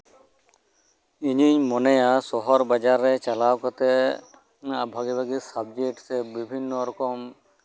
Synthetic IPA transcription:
iɲiɲmɔnejasɔɦɔɾbad͡ʒaɾːet͡ʃalawkɔt̪e | abʱaɡibʱaɡisabd͡ʒekʈsebibʱinːɔɾɔkɔm

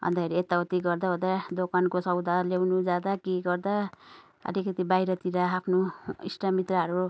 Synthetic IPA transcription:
ʌ̰nd̪akeɾiet̪ːaut̪iɡʌrd̪aod̪ad̪okankosʌwd̪arlewnud͡zad̪akiɡʌrd̪a | ʌ̰likʌt̪ibajɾʌt̪iɾaːpʰnoḭsʈamit̪rʌɦʌɾu

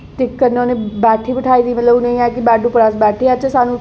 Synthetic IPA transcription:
ʈɪkːənːeoːneːbɛːʈʰiːbəʈʰaːiːd̪iːmət̪ləbnə̃ĩːɛːkɪbɛːɖũːpəɾasbɛːʈʰeːat͡ʃesaːnũː

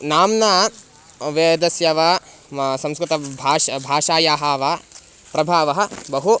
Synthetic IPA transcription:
naːmnaː | ʋed̪ɐsjɐʋaː | sɐ̃mskɾɨt̪ɐbʱaːbʱaːʂaːjaːɦaːʋa | pɾɐbʱaːʋɐɦɐ̆bɐɦu

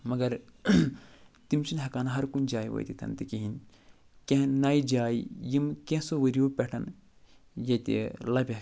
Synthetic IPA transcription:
mɐɡɐɾ | t̪imt͡ʃinɦɐkaːnɐɦɐɾkund͡ʒaːjʋɐ̰jt̪it̪ʰɐ̰nt̪ikiɦin | kẽɦnaːid͡ʒaːijimkẽsoʋəɾioːpɛʈʰɐn | jɐt̪ḭlɐbʲe

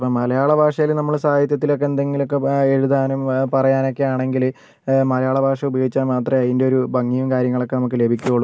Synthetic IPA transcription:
pomɐlɐjaːɭɐbʱaːʂɐjilnɐmːɐɭsaːjɐt̪̬jɐt̪ːilo̞k̬ːend̪eŋɡilo̞kːe̞e̞ɻuðaːnumpɐrɐjaːno̞kːe̞jaːɳe̞ŋɡil | mɐlɐjaːɭɐbʱaːʂɐubɐjɡit͡ɕːaːnmaːt̪rɐmɐðindeo̞ɾubʱɐŋːijumkaːɾjɐŋːɐɭo̞kːe̞nɐmuk̬ːɨle̞bʱikʲːuoɭː

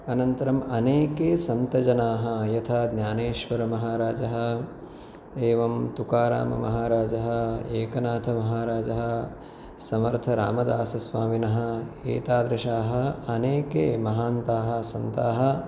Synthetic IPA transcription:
ɐnɐnt̪ɐɾɐmɐneːkeːsɐnt̪ɐd͡ʒɐnaːɦɐ̆jɐt̪ʰaːd̪nʲjaːneːʃʋɐɾɐmɐɦaːɾaːd͡ʒɐɦɐ̆ | eːʋɐmt̪ukaːɾa̰ːmɐ̰mɐ̰ɦaːɾaːd͡ʒɐɦɐ̆eːkɐnaːt̪ʰɐmɐɦaːɾaːd͡ʒɐɦɐ̆ | sɐmɐɾt̪ʰɐɾa̰ːmɐd̪aːsɐsʋaːminɐɦɐ̆ḛːt̪aːd̪ɾɐʃaːɦɐ̆ɐneːkeːmɐɦaːnt̪aːɦɐ̆sɐnt̪aːɦɐ̆

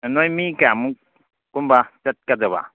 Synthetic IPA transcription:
nojmikamu | kumbat͡ʃɐt̪̚kadaba̰

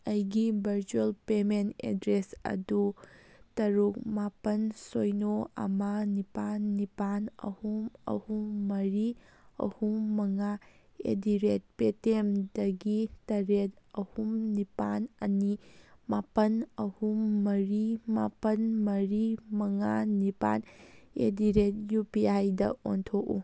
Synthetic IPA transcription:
ɐjɡibʱɐɾt͡ʃuelpementḛdɾesɐ̰dutɐɾuk̚mapɐnsojnoɐ̰mɐnipanːipanɐ̰humɐ̰humːɐɾiɐ̰humːɐŋa | ḛdiɾet̚petemdɐɡitɐɾetɐhumnipanɐnimapɐnɐhumːɐɾimapɐnmɐɾimɐŋanipa̰nḛdiɾet̚jupiajdɐʔontʰoʔṵ

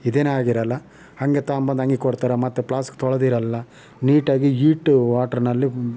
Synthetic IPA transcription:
id̪eːnaːɡiɾɐlːɐ | hɐŋɡet̪aːmbɐnd̪ɐŋɡikoɽt̪aːɾemɐt̪ːeplaːskt̪ʰɔɭɐd̪iɾɐlːɐ | niːʈaːɡiiːʈʋaːʈɐɾnɐlːi

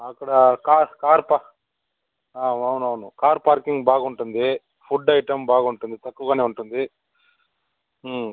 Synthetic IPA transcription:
aːkɐɽɐkaːkaːɾpa | aːɐwnuɐʋnukaːɾpaːɾkiŋɡbaːɡɐuɳʈund̪i | pʰuɖːɐjʈɐmbaːɡuɳʈund̪it̪ɐkːuɡaːneuɳʈund̪i

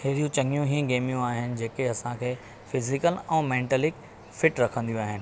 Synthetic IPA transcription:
heːɾijũt͡ɕɐ̃ŋijũɦĩɡeːmijũaːɦɪnɪ̆d͡ʑeːkeɐsãkʰeː | fɪzɪkəlɛ̃ːmɛ̃ːɳʈəlɪk | fɪʈɾɐkʰə̃nd̪ijũaːɦɪnɪ̆

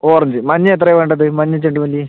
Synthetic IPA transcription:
oːrɐɲd͡ʑɨmɐɲːɐet̪̬ːrɐjʋeːɳɖɐðɨmɐɲːɐt͡ɕːeɳɖɨʋɐli

